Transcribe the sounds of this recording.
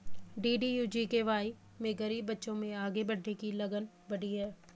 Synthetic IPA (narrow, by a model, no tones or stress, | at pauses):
ɖiːɖijuːd͡ʒiːkeʋaːi | mẽɡɐɾiːbːɐtːʃõmẽaːɡebɐɽʱːekilɐɡən | bɐɽiɦɛː